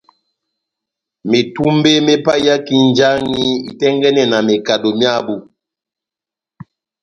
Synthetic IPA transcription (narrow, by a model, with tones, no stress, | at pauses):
me˨tu˦mbe˦me˦pa˦ja˦ki˦nd͡ʒa˦ŋi˦ḭ˨tɛ˦ŋɡɛ˦nɛ˦˨na˨me˨ka˨do˨mja˦bu˨